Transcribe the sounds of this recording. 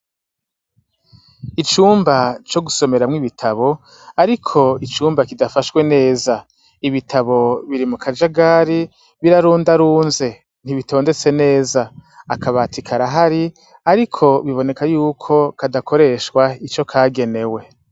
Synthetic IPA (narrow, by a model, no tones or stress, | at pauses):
it͡ʃuːmbat͡ʃo̞ɡuso̞me̞ɾamŋiβitʰaβo̞ | aɾikʰo̞it͡ʃuːmbakidafaʃwe̞ne̞ːza | iβitʰaβo̞βiɾimukʰad͡ʒaɡaɾi | βiɾaɾuːndaɾuːnze̞ | n̥iβito̞ːnde̞t͡se̞ne̞ːzaːkʰaβatʰikʰaɾaɦaɾi | aɾikʰo̞βiβo̞ne̞kajuːkʰo̞kadakʰo̞ɾe̞ʃkwait͡ʃo̞kʰaːɡe̞ne̞we̞